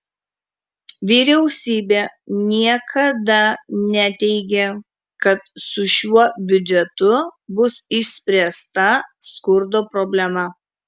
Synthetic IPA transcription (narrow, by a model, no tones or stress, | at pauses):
ʋʲiːɾʲɛʊsʲiːbʲeːnʲiɛkʰɐd̪ɐnʲɛt̪ʲɛɪɡʲe | kɐt̪̚sʊʃʲuɔbʲʊd͡ʒʲɛt̪ʊbʊsɪʃʲsʲpʲɾʲɛst̪ɐskʊɾd̪oːpɾɔbʲlʲɛmɐ